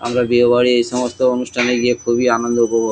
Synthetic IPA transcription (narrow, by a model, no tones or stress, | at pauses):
a̰mɾabiobaɽiejʃɔmost̪oonusʈʰaneɡiekʰubianond̪okɔɾbo